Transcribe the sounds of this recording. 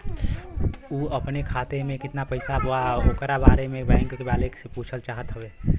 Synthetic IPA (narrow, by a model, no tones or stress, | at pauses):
uəpnekʰat̪emẽkɪt̪napəɪsaaokɾabaɾemẽbɛ̃ŋkkebalekseput͡ʃʰəlt͡ʃaɦət̪ɦəbe